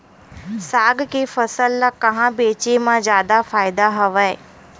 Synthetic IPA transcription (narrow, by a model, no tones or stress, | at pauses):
saːɡkefɐsəlːakɐɦãbeːt͡ʃemãzjaːd̪afaːjɪd̪aɦɐʋae